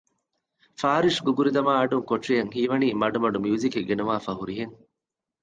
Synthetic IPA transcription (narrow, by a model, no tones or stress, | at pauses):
faːɾiʂɡuɡuɾid̪ɐmaːɐɖuŋkoʈʂijɐŋɦiːʋɐniːmɐɖumɐɖumjuːzikeɡenuʋaːfɐɦuɾiɦeŋ